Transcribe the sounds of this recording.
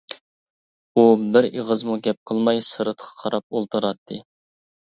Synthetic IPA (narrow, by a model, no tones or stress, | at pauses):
ubɪɾeʁəzmuɡʲɛp̚qʰəlˠmɑjsɨɾət̪qʰɑ̥qʰɑɾɑp̚olˠt̪ʰɨɾɑt̪ʰːɨ